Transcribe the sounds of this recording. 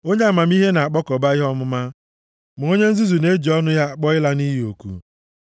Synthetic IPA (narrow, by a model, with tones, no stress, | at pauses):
o˦ɲe˦a˨ma˨m˦i˦ɦe˦na˨a˨k͡pɔ˦kɔ˨ba˦ɪ˦ɦɔ˦mʊ˦ma˦ | mʊ˨o˦ɲe˦n̩˦zi˦zu˨ne˦d͡ʒi˨ɔ˦nʊ˦ja˦a˨k͡pɔ˦ɪ˦la˦ni˦ɦi˦o˨kṵ˦